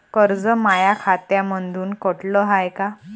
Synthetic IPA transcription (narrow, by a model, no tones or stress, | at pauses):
kəɾd͡zəmajakʰat̪jamənd̪ʱuːnkɔʈləɦajka